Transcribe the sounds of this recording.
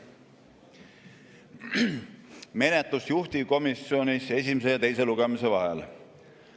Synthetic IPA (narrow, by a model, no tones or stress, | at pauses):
me̞net̪lusjuht̪iko̞misːio̞nʲise̞s̬ʲimes̬e̞jɑt̪e̞jse̞luɡ̥emise̞vɑɦɛ̰l